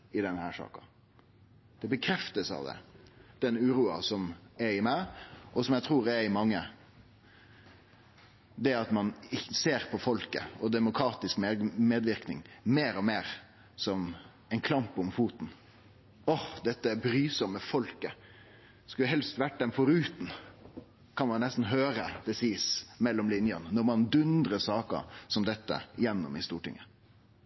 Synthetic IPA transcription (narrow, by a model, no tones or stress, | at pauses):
ɪd̪ɛnhæːʂɑ̰ːkɑ̰ | d̪̥ɛbəkʰɾɛft̪əsɑ̰ʋd̪ɛ̰d̪̥ɛnʉːɾuːɑ̰sɔmɛɾɪmæɪʔɔsɔmjæɪt̪ʰɾuːɾɛɾɪmɑŋːə | d̪ɛɑt̪mɑnɪseːɾpʰɔfɔlkə̰ɔd̪ɛmʊkʰɾɑːt̪ɪskmemeːd̪ʋɪɾknɪ̰ŋmeːɾɔmeːɾ | sɔm | ɛɪnkʰlɑmpɔmfuːt̪n̩ | ɔhd̪ɛt̪ːəæbɾyːsɔmːəfɔlkə | skʉləɦɛlst̪ʋæʈd̪ɛmfɔɾʉːt̪n̩ | kʰɑnmɑnnɛst̪n̩ɦøːɾəd̪̥ɛsiːsmɛlːɔmlɪnjənənɔɾmɑnd̪ʉnd̪ɾəsɑːkə̰sɔmd̪ɛt̪ːə̰jɛnːɔ̰mɪst̪uːʈɪ̰ŋːə